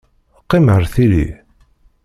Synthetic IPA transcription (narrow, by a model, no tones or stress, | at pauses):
qːiməɾθiɾḭ